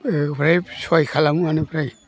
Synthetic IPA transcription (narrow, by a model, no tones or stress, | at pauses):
pɾajswajkʰalamuanipʰɾaj